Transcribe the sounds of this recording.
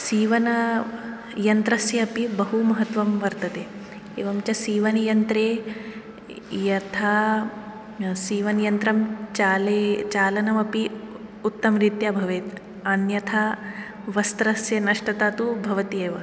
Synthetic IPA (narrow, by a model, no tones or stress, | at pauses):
siːʋɐnɐ | jɐnt̪ɾɐsjɐːpibɐɦumɐɦɐt̪ʋɐmʋɐɾt̪ɐt̪eː | ḛːʋɐmt͡ʃɐsiːʋɐnjɐnt̪ɾeː | jɐt̪ʰaː | siːʋɐnjɐnt̪ɾɐmt͡ʃaːlet͡ʃaːlɐnɐmɐpiut̪ːɐmɾit̪jɐbʱɐʋeːt̪ | ɐnjɐt̪ʰa | ʋɐst̪ɾɐsjɐnɐʂʈɐt̪aːt̪ubʱɐʋɐt̪ieːʋɐ